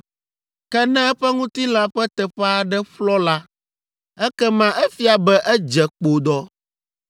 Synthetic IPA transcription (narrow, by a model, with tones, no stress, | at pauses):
kɛ˦nɛ̃˦ɛ˦ɸɛ˦ŋũ˦t̪i˦la˦ɸɛ˦t̪ɛ˨ɸɛ˦a˨ɖɛ˦ɸlɔ˦la˦ | ɛ˦kɛ˦mã˨ʔɛ˦fi˦a˨bɛ˦ʔɛ˦d͡ʒɛ˨k͡po˨d̪ɔ˦